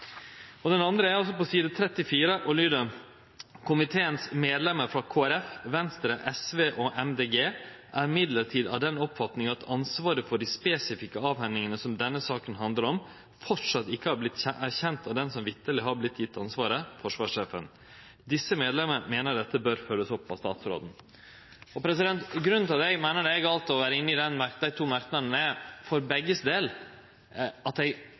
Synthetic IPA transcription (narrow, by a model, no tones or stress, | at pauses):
ɔd̪ɛnɑnd̪ɾəæɾɔs̬ɔpɔsiːd̪ət̪ʰɾɛt̪ːɪfiːɾəʔɔlyːd̪ə | kʰʊmɪt̪ʰeːənsmeːd̪lɛməɾfɾɑkʰoːæɾɛfʋɛnst̪ɾəʔɛsʋeːʔɔʔɛmd̪eːɡeːʔæɾɪmɪd̪ləɾʈʰiːd̪ɑ̰ʋd̪ɛnɔpfɑt̪nɪŋɑt̪ʰɑnsʋɑːɾəfɔɖispeːsɪfɪkːəɑːʋhɛnɪŋənəsɔmd̪ɛnːəsɑːkənɦɑnd̪ləɾɔm | fɔʈʂɑt̪ːɪkːəhɑblɪt̪ːɛʔæɾçɛnt̪ɑd̪ɛnsɔmʋɪt̪ːəlɪɦɑɾblɪt̪ːjɪt̪ːɑnsʋɑːɾəfɔʂʋɑːʂeːfə̰n | d̪ɪsːəmeːd̪lɛmənəmeːnəɖɛt̪ːəbøːɾføːɾəsɔpːɑ̰st̪ɑ̰ːt̪sɾo̰ːd̪n̩ | ɔpʰɾɛsɪd̪ɛnt̪ɡɾʉnt̪ʰɑd̪ɛɪmæɪnəɖɛɡɑlt̪ɔʋæːɾəɪnːəɪd̪ɛnmæd̪æɪt̪ʰuːmæɾknənɛfɔɾbɛɡːəsd̪eːl | ɑt̪ɛɪ